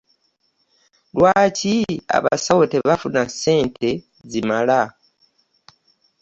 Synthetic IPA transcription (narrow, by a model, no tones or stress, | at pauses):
lwaːcia̰βa̰sawoteβafunase̞ːntʰe̞ | zimala